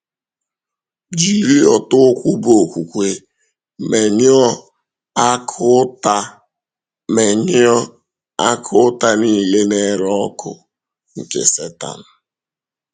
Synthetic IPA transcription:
d͡ʒi˦ɾi˦ɔ˨tʊ˦kʷu˦bo˨kʷu˨kʷe˨ | me˨ɲ˦ɔ˦ | kta˦ | me˨ɲɪ˦ɔ˦ | a˦kʰʊ˦ta˦ni˦˨le˦ne˦ɾɔ˦kʰʊ̰˨ | ŋ̩˨kḛ˨se˦ta̰˨n̩˨

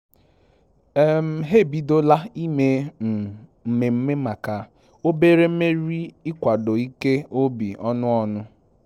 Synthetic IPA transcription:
e˦˨m̩˦ɦe˦˨bi˨do˦la˦i˦me˨ | m̩˨me˨m̩˦me˦ma˨ka˨ | o˦be˦ɾe˦m̩˦me˦ɾi˦ɪ˦kʷa˨do˨i˦ke˦o˦bḭ˨ɔ˦nʊ˦ɔ˦nʊ˦

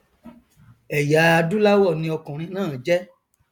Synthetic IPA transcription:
ɛ˨ja˨˦a˧du˦la˦wɔ˦˨nĩ˧ɔ˧kɔ̃˨ɾ̃ĩ˧˦nãː˦˨d͡ʒɛ˦

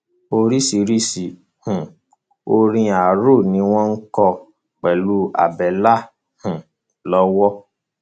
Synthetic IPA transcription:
o˧˦ɾi˦si˨ɾi˦si˨ | hũ˨ | o˧ɾĩ˧a˨ɾo˦˨nĩ˧˦w̃ɔ̃˦ŋ̩˦kɔ˧ | k͡pɛ˨lu˦a̰˨bɛ˨la˦ | hũ˨ | lɔ˦wɔ˦

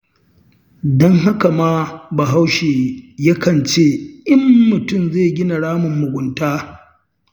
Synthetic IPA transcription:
dɔ˦ŋɦa˦ka˨maː˦ba˨ɦa˦wʃeː˨ja˦kɐ˨nt͡ʃeː˦˨ʔɪ˦mːʊ˨tʊ˦mzeː˦˨ɡʲɪ˦na˨ɽaː˦mʊ˨mːʊ˨ɡʷʊ˨ntaː˦

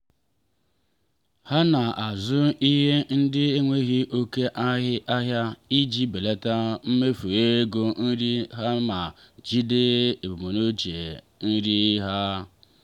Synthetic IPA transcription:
ha˦na˨a˨zʊ˦i˦ɦe˦n̩˦dɪ˦e˦ŋʷe˦ɣi˦ʔo˦ke˦ʔa˦ɦɪ˦ʔa˦ɦja˦i˦d͡ʒi˦be˨le˦ta˦m̩˦me˦fu˨e˦ɡo˦n̩˦ɾi˦ɦa˦ma˨ | d͡ʒi˦de˦e˨bo˨mo˨no˦t͡ʃe˨ | n̩˦ɾi˦ɦa˦

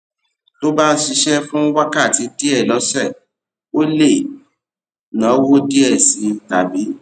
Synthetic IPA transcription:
to˦ba˦ʃi˧˦ʃɛ˦fũ˦wa˦ka˦˨ti˨˦di˦ɛ˦˨lɔ˨˦sɛ˦˨ | o˦le˦˨ | nã˨˦wo˦di˦ɛ˦˨sĩ˨˦˨ta˨bi˨˦

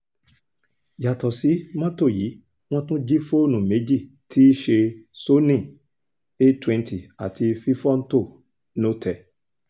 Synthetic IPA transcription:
ja˨tɔ˨si˨˦mã˦to˦˨ji˨˦ | w̃ɔ̃˦tũ˦d͡ʒi˦fo˦nũ˨me˨˦d͡ʒi˦˨ | tʰi˦ʃe˧so˦nĩ˦˨ | e˦twɛ̃˧ntʰi˨a˨tʰi˧fi˦fɔ˦n̩˦to˦˨ | nõ˦tʰɛ˨

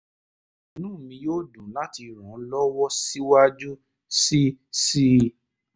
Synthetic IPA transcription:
nũː˦˨mĩ˧joː˦dũ˨˦la˦ti˧ɾũ˨˦lɔ˦wɔ˦si˦wa˦d͡ʒu˦ | si˦si˦

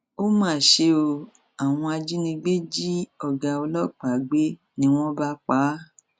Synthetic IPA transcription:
o˦mãː˦˨ʃe˧o˧ | a˨w̃ɔ̃˧a˧d͡ʒi˦nĩ˧ɡ͡be˦d͡ʒi˦ɔ˧˨ɡa˧o˧lɔ˦˨k͡pa˨ɡ͡be˦ | nĩ˦w̃ɔ̃˦ba˦k͡pa˨˦

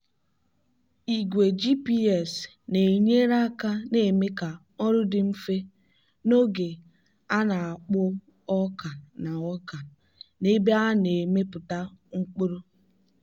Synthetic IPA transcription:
i˨ɡʷe˨d͡ʒi˦pi˦ɛ˨s | ne˨ɲe˦ɾa˦ka˦ne˨me˦ka˨ | ɔ˦ɾʊ˦dɪ˨m̩˦fe˦ | no˦ɡe˨ | a˦na˨a˨k͡pʊ˦ | ɔ˦ka˨na˨ɔ˦ka˨ | ne˦be˦a˦ne˨me˦pʊ˨ta˦ŋ͡m̩˦k͡pʊ˦ɾo˦

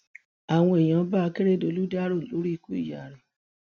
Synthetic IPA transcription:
a˨w̃ɔ̃˧e˨j̃ã˨˧˦ba˦˧ke˦ɾe˦˨do˧lu˦da˦ɾo˦˨lo˨˦ɾi˦˧ku˦ḭ˦˨ja˨ɾe˨

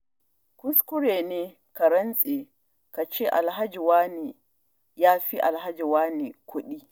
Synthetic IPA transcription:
kʊ˦skʊ˦ɾeː˨ne˦ | ka˨ɾɐ˦nsʼe˨ | ka˨t͡ʃɛ˦ʔa˨lɦa˦d͡ʒi˨waː˦ni˨ | jaː˦fi˦ʔa̰˨lɦa˦d͡ʒi˨waː˦ni˨kʰʷu˦ɗi˦

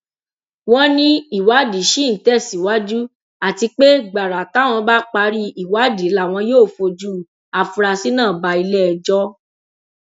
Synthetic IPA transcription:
w̃ɔ̃˦nĩ˦i˦˨wa˨˦di˨˦ʃi˦n̩˨tɛ˦˨si˨wa˦d͡ʒu˦ | a˨ti˧k͡pe˦ɡ͡ba˨ɾa˨ta˨˦˨w̃ɔ̃˧ba˦k͡pa˧ɾi˦i˨wa˨˦di˨˦la˦˨w̃ɔ̃˧joː˦˨fo˧d͡ʒu˦ | a˨fu˧ɾa˧si˦nãː˦˨ba˧i˧lɛ˦˧˨d͡ʒɔ˦

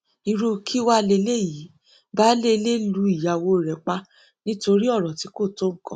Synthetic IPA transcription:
i˧ɾo˧kʰi˦wa˦˧le˧le˦˨ji˨˦ | ba˦le˦˧le˦lu˨˧˦i˦˨ja˨wo˧˨ɾɛ˨k͡pa˦ | nĩ˦to˧ɾi˦ɔ˦˨ɾɔ˨ti˨˦ko˦˨to˦ŋ̩˦˨kɔ̰̃˨˦

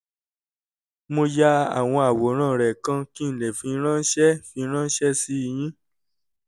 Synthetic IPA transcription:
mo˧ja˦a̰˨w̃ɔ̃˧a˨wo˨˦ɾ̃ãː˦˨ɾɛ˨kã˧ki˦n̩˨le˨fĩ˧˦ɾ̃ã˦ʃɛ˦fĩ˧˦ɾ̃ã˦ʃɛ˦si˦i˦˧˨j̃ĩ˦

